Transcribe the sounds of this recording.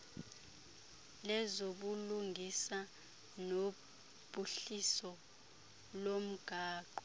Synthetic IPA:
lɛzoɓuluŋɡʱisa | no | b̥ʱuɬisɔ | lom̩ɡ̥ʱaːǃɔ

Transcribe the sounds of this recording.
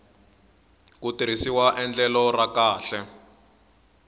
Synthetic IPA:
kutiɾ̤isiwaʔɛnd͡ɮɛlɔrakaːɬɛ

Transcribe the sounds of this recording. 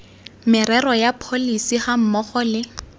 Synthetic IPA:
mɪɾɛrɔjapʰolisiχam̩mɔχɔlɪ

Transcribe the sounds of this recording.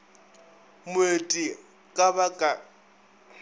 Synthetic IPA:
mʊetʼi | kʼabakʼa

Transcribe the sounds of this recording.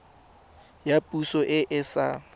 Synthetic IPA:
japʼusɔʔɪʔɪsa̰

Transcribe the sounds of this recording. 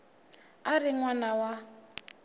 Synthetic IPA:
arɪŋwanawa

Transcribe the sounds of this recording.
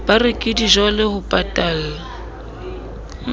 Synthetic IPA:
b̥arɪkʼɪdiʒɔlɪhʊpʼatʼaːl

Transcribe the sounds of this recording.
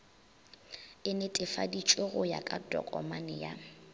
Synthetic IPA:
ɪnetʼɪfa̰dit͡ʃʼweɣʊja̰kʼadɔ̰kʼɔ̰manɪja

